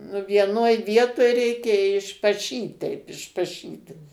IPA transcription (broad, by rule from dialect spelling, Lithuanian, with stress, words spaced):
nʊ ʋʲiɛˈnoːj ˈʋʲiɛtoːj ˈrʲɛɪkʲɛ ɪʃpɐˈʃʲiːt tʲɛɪp ɪʃpɐˈʃʲiːtʲ